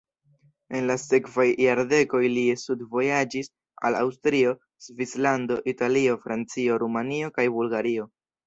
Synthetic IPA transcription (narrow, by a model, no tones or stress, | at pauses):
e̞nlase̞kvajːaɾde̞ko̞jlisudvo̞jad͡ʒis | a̰la̰wstɾio̞ | zvislando̞ʔitalio̞fɾant͡sio̞ɾumanio̞kajbulɡaɾio̞